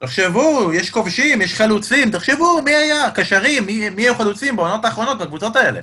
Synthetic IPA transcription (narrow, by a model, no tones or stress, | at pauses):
t̪eχʃevujeʃko̞vʃimjeʃχalut͡simt̪eχʃevumiajakaʃaʁimːiːiajuχalut͡simbeono̞t̪aːχʁo̞no̞t̪̚bakvut͡so̞t̪ae̞le̞̰